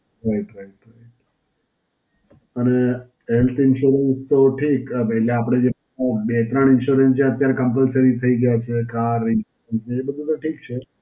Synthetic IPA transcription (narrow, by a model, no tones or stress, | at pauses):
ɦojt̪ojt̪oj | əne | ɦelt̪ʰɪnʃuɾənst̪oʈʰikpɛɦleapɽ̃ed͡ʒe | bet̪ɾəɳɪnʃuɾənst͡ʃʰeət̪jaɾekəmpəlsəɾit̪ʰəiɡəjat͡ʃʰekaɾɪnʃuɾənst͡ʃeːbəd̪ʱut̪ʈʰikt͡ʃʰe